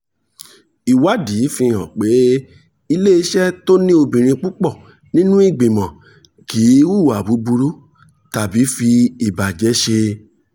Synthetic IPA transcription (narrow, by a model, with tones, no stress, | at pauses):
i˨wa˦di˨˦fĩ˧˨hɔ̰̃˨k͡pe˨˦ | i˧le˦i˧˦ʃɛ˦to˦nĩ˦o˧bĩ˨ɾ̃ĩ˧k͡pu˦k͡pɔ˦˨ | nĩ˦nũ˦i˦˨ɡ͡bĩ˨mɔ̃˨ | ki˨˦wu˦˨wa˨bu˨˦bu˧ɾu˦ | ta˨bi˨˦fi˧i˨ba˨d͡ʒɛ˨˦ʃe˧